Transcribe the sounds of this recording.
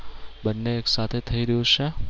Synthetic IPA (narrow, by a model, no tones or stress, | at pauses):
bənːeːksat̪ʰet̪ʰəiɾəɦjũt͡ʃʰe